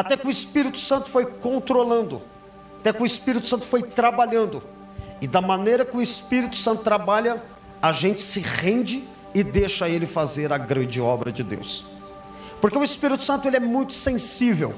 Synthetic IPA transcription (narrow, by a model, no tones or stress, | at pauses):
at̪ɛkɪʊɪspiɾit̪ʊ̥sɐ̃nt̪ʊ̥fojkõnt̪ɾolɐ̃nd̪ʊ | at̪ɛkɪʊɪspiɾit̪ʊsɐ̃nt̪ʊ̥fojt̪ɾabaʎɐ̃nd̪ʊ | ɪd̪ɐmɐnejɾɐkɪʊɪspiɾit̪ʊ̥sɐ̃t̪ʊt̪ɾabalʎɐ | ɐʒẽnt͡ʃɪ̥sɪʁẽnd͡ʒɪ | ɪd̪eʃɐelɪfazeɾɐɡɾɐ̃d͡ʒɪɔbɾɐd͡ʒɪd̪ḛws | poɾkeʊispiɾit̪ʊ̥sɐ̃nt̪ʊelɪɛmũj̃t̪ʊ̥sẽsivḛw